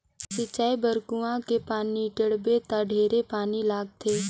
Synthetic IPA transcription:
sɪt͡ʃːaːibəɾkuãkepaːniʈəɽbet̪aɖʱeːɾepaːnilaːɡ̚t̪ʰeː

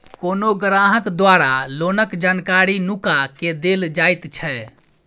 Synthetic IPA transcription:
koːnoɡɾaɦəkd̪waɾalonəkd͡ʒankaɾinukaked̪eld͡ʒajt̪t͡ʃʰɛ

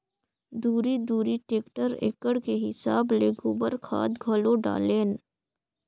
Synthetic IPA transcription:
d̪uːɾid̪uːɾiʈeːkʈəɾḛːkəɽkeɦɪsaːbleɡubəɾkʰa̰ːd̪ɡʱɐloɖa̰ːleːn

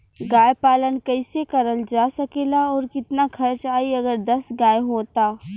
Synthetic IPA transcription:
ɡaːjpaːlənkɐɪsekɐɾəld͡ʒaːsɐkeːlaɔːɾkɪt̪nakʰɐɾt͡ʃaːiɐɡəɾd̪ɐsɡaːjɦoːt̪aː

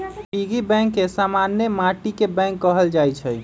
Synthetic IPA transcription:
piɡibɛ̃ŋkːesamanjemaʈikebɛ̃ŋkːəɦəld͡ʒajt͡ʃʰɛ

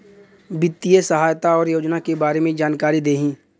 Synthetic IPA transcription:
bɪt̪ːijəsəɦaːjt̪aɔːɾjoːd͡ʒnakebaːɾemẽd͡ʒaːnkaːɾid̪eːɦĩː

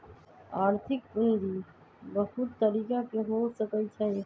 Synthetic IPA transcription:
aːɾt̪ʰɪk̚kʊnd̪i | bɐɦʊt̪ːəɾiːkakeɦoːsəkəit͡ʃʰaɦe

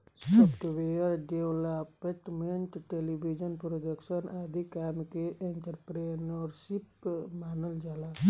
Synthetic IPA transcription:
səpʈ̪ʋejəɾɖewlapeʈmeɳʈʈelibʱid͡ʒənpɾodəksənʔad̪ʱikamkeʔeɳʈəɾpɾenɔɾsipmaːnəld͡ʒala

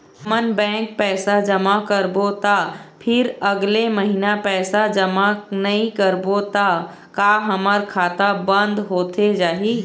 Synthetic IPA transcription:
ɦmənbɛ̃ːŋk̚pɛːsad͡ʒəmakəɾbot̪apʰɪɾəɡleməɦinapɛːsad͡ʒəmanɐĩkəɾbot̪a | kaɦəməɾkʰaːt̪abə̃nd̪ɦoːt̪ʰed͡ʒaːɦi

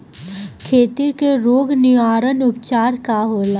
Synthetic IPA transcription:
kʰeːt̪iɾkeɾoːɡnɪʋaːɾənʊpt͡ʃaːɾkaɦoːla

